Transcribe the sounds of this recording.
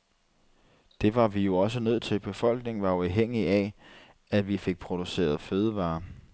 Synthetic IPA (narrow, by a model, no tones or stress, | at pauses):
d̥e̝ʋɑ̈ʋijo̝ɒ̽s̬ənøð̞̰ˠt͡sʰe̝lb̥e̝fɒ̽l̰ɡ̥ne̝ŋʋɑ̈uɑʊɦeŋ̰iæ | æʋife̝ɡ̥̚pʰʁo̝d̥use̝̰ːɐð̞̩ˠføːð̞ˠəʋɑ̈ː